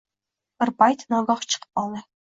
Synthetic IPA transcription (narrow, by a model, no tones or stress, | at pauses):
pɘ̆rpɑjt̪ʲnɑɡɑχt͡ɕɤ̥qpɑlˠnʲɤ̆